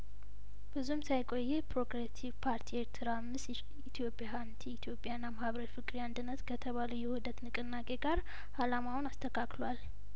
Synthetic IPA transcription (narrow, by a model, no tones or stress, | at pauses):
bɨzumsajkʼo̞jːepʰɾo̞kɾet̪ʰivpʰaɾt̪ʰieɾt̪ʰɨɾamːɨs | it̪ʰjo̞pʼjahant̪ʰiːt̪jo̞pʼːjanːamahβəɾəɾfɨkʼɾiand̪ɨnːət̪kʰət̪ʰəβaləjɛhud̪ət̪nɨkʼɨnːakʼe̞ɡaɾ | halamawnast̪ʰəkʰaklwal